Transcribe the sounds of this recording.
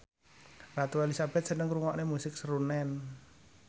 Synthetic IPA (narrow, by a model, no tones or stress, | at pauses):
rat̪uelisab̥ɛt̪̚sənəŋɾuŋɔʔnemusɪk̚səɾunɛn